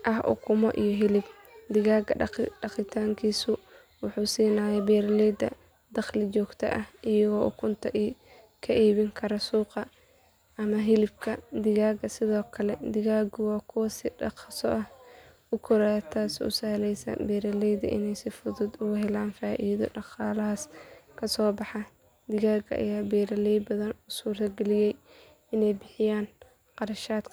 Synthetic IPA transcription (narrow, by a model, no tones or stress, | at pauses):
ʔɐɦʔʊ̰kʰʊmɔ̰ʔijɔɦɪlɪb̚ | d̪ɪɣaːɡɐɖɑqɪt̪ʰaːŋkʰiːsʊ | wʊħuːsiːnaːjɛbɛːɾɐlɛːd̪ɐ̰ | d̪̥ɐχlɪt͡ʃɔːɡt̪ʰɐ̰ʔɐhɪjɐɣɔːʔʊkʰʊnt̪ʰɐʔi | kʰɐʔiːβɪŋkʰɐɾɐsuːqɑ | ɐmɐɦɪlɪbkʰɐd̪ɪɣaːɡɐsɪðɔːkʰɐlɛd̪ɪɣaːɡʊwɑːkʰʊwɐsɪɖɑ̰qsɔʔɐh | ʊkʰɔɾat̪ʰaːsʊ̰sahlɛjsɐ̰bɛːɾɐlɛjðɐ̰ʔɪ̰nɛjsɪfʊðʊd̪ʊɣʊɦɛlaːnfaːʔiːðɔ̰ɖɑqɑːlɐɦɐskʰɐsɔːbɑħɑ | d̪ɪɣaːɡɐ̰ʔɐ̰jaːbɛːɾɐlɛjbɐðɐnusuːrt̪ʰɐɡɛlɪjɛj | ɪnɛjbɪħɪjaːn | qɑɾɐʃaːd̪kʰ